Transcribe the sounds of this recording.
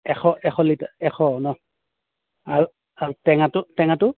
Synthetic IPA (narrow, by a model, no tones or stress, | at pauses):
ɛxʰɔʔɛxɔlitaɛxɔnɔ | aɹu | aɹutɛŋatʊtɛŋatʊ